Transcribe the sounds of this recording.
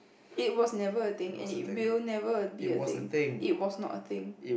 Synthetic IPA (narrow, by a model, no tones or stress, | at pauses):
it̚wɔsnɛvəət̪ɪ̃ŋɛ̰̃nit̚wilnɛvəbiəɪ̰̃ŋ̃ŋit̚wɔsnɔ̰tət̪ɪ̃ŋ